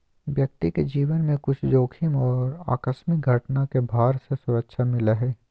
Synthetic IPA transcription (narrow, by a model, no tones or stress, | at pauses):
ʋjɐk̚t̪iked͡ʒiːʋənmẽkʊt͡ʃʰd͡ʒoːkʰimɔːɾa̰ːkəsmɪk̚ɡʱɐʈnakebʱaːɾsesʊɾəkʃʰamɪlaɦɛː